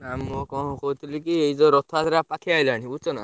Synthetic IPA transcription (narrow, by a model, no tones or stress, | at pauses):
amːɔkɔ̃kɔɦut̪ʰilikieid͡zɔɾɔt̪ʰat̪ɾapakʰiajlañiut͡ʃɔna̰